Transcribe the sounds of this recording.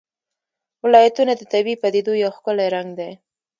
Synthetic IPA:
wɪlɑjat̪unad̪ət̪abipad̪ed̪ojawxkʊlaɾaŋɡd̪ej

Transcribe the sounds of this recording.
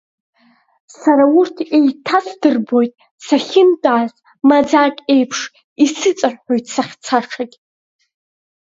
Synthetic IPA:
saɾaurtʰe̞jtʰasdɨrbo̞jtʼ | saχʲɪntʼaːz | mad͡zaːkʲʼe̞jpʰʂ | isɨt͡sʼarħo̞jtʼʰsaχʲt͡sʰaʈ͡ʂʰakʲʼ

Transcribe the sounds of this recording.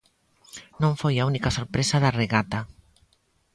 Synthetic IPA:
nõɱfojaunikasoɾpɾesaðareɣat̪a

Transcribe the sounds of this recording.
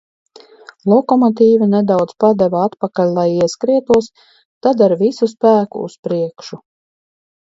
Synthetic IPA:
lˠɔkɔmɔt̪̬iːvinɛd̪awd̪zpad̪ɛvaat̪pakalʲlˠajiɛskɾiɛt̪uɔs | t̪ad̪aɾvisuspæːkṵːspɾiɛkʃu

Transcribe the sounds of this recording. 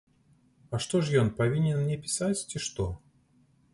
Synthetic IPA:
ɐʂt̪ɔʐjɔnpavʲinʲɛnmnʲɛpʲɪ̥sat͡sʲt͡sʲiʂt̪ɔ

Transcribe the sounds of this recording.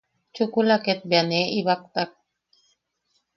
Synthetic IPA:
t͡ʃukulaket̪̚baneiβak̚t̪ak̚

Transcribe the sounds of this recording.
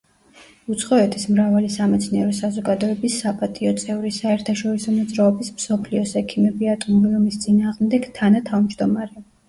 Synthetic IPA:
ut̪sʰχʼɔɛt̪ʰismɾavalisamɛt̪sʰniɛɾɔsazɔɡad̪ɔɛbisːapʼat̪ʼiɔt̪sʼɛvɾisaɛɾt̪ʰaʃɔɾisɔmɔd̪zɾaɔbismsɔpʰliɔsɛkʰimɛbiat̪ʼumbiumist̪sʼinaːʁmd̪ɛɡ̥t̪ʰanat̪ʰavmd͡ʒd̪ɔmaɾɛ

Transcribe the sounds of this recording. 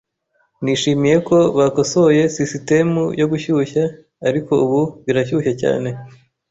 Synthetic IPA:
niʃiːmije̞ko̞βako̞so̞je̞sisite̞mujo̞ɡuçuçaː | ɾiko̞uβuβiɾaçuçaca̰ːne̞

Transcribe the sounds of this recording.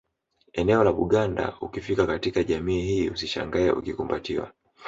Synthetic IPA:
ɛnɛɔlaɓuɠanda̰ukifikakatikaʄamiːhiːusiʃa̰ŋɡaɛ̰ʔṵkikumbatiwa̰

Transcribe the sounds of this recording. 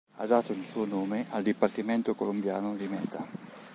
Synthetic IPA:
ad̪aːt̪oilsuːonoːmeʔald̪ipart̪iment̪okolombja̰ːnod̪imɛːt̪a

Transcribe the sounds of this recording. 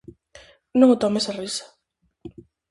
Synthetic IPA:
nõŋot̪ɔmesarisḁ

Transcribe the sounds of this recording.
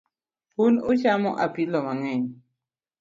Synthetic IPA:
hunut͡ʃamɔʔapilɔmaŋɛɲ

